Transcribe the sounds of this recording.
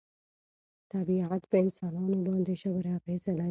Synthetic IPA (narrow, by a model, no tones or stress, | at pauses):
t̪abiʕat̪pəɪnsɑːnɑːnobɑ̃ːnd̪eʃabɾafɛːsala